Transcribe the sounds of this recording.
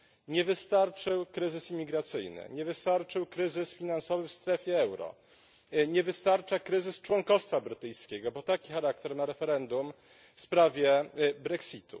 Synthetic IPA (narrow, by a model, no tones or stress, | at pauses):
ɲɛvɘst̪aɾt͡ʂɘwkɾɘzɘsimʲːiɡɾat̪sɘjnɘ̰ɲɛvɘst̪aɾt͡ʂɘwkɾɘzɘsfʲinansɔvɘfst̪ɾɛfʲjɛɛwɾɔ̰ | ɲɛvɘst̪aɾt͡ʂakɾɘzɘst͡ʂwɔŋkɔst̪fabɾɘt̪ɘjskʲɛɡɔbɔt̪akʲixaɾak̚t̪ɛɾnaɾɛfɛɾɛnd̪um | fspɾavʲjɛbɾɛksʲit̪ṵ